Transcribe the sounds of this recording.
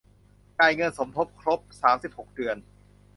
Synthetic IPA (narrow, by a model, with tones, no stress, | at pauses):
kaː˧jŋɤ˧nso˩˦mt̪ʰo˦˥p̚kʰɾo˦˥p̚saː˩˦msi˨˩p̚ho˨˩k̚dɯ˧ən